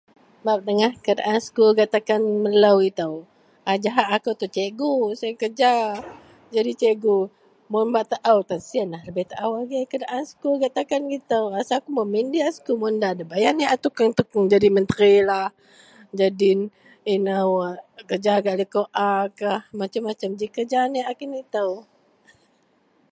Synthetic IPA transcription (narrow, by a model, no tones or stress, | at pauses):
bap̚dəŋahkədʔanskuɡat̪akanməlawɡit̪aw | ad͡ʒaɦaʔːkawt̪ut͡ʃeɡusakəd͡ʒa | d͡ʒadit͡ʃeɡu | munbaʔt̪aʔawt̪ansianahləbɛht̪aʔawaɡekədaʔanskuɡaʔt̪akanɡit̪əwrasakuməmindiaskumundadabajaniat̪ukaŋt̪ukəŋd͡ʒadimənt̪əɾilah | d͡ʒadin | inawkəd͡ʒaɡaʔlikoʔakahmat͡ʃamːat͡ʃamd͡ʒikəd͡ʒaniakinit̪əw